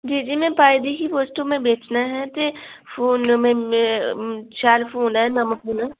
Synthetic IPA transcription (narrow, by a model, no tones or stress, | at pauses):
d͡ʒiːd͡ʒiːmẽpaːjd̪ikipoːsʈõmẽbeːt͡ʃnaɦɛt̪efuːnmẽ | ʃaːlfuːnɦɛnɐməpʰuːnɦɛ